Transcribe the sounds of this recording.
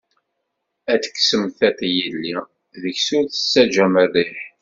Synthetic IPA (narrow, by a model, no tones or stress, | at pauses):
æt͡sːkːsəmθæθjilːi | ðəçsʊɾθə̥sːæd͡ʒæmərːiħ